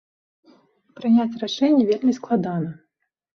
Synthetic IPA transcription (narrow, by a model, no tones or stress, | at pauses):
pɾɨnʲat͡sʲraʂɛnʲːɛvʲelʲmʲisklˠad̪anɐ